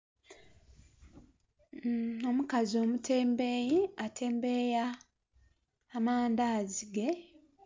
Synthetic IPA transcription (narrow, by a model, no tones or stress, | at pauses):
o̞mukazo̞ːmutʰe̞ːmbejiatʰe̞ːmbeja | maːndaːziɡe̞